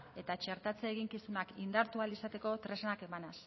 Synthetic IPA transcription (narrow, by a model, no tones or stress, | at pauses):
e̞t̪at͡ʃe̞ɾt̪at͡seːɣ̞iŋkisunakind̪aɾt̪ualisat̪e̞ko̞t̪ɾe̞snake̞manas